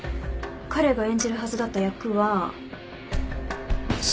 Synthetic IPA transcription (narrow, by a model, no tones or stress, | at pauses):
kʰaɾe̞ɡaẽ̞ɲd͡ʑiɾɯ̟ɦazɨd̪at̪ːajakɯ̟βa | ɕ